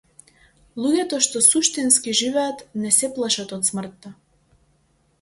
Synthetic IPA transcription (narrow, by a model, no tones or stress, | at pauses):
lˠuɟɛt̪ɔʃt̪ɔsuʃt̪inskiʒivɛat̪nɛsɛplˠaʃat̪ɔt̪smr̩t̪ːa